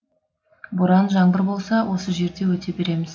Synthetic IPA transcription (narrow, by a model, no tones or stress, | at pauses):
bʊɾɑnʒɑɴbəɾbo̞lˠsɑwʔo̞səʒe̞ɾd̪e̞wɵt̪ʰe̞be̞ɾe̞mɪz